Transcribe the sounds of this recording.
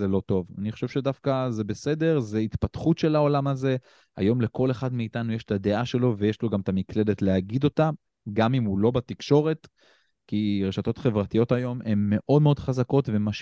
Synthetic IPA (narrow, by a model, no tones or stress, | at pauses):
zelo̞t̪o̞va̰niχoʃe̞v̥ʃe̞dafkazebe̞se̞de̞ʁzeit̪pat̪χutʃe̞lao̞lamaze̞ | a̰jo̞mle̞ko̞le̞χadmeitanujeʃetad̪e̞ʔaʃe̞lo̞vejeʃlo̞ɡamt̪amikle̞detleaɡid̪o̞ta | ɡamimulo̞bat̪ikʃo̞ʁe̞t | kiʁe̞ʃat̪o̞t̪χe̞vʁatijo̞tajo̞me̞mːe̞ʔo̞dme̞o̞dχazako̞tvemaʃ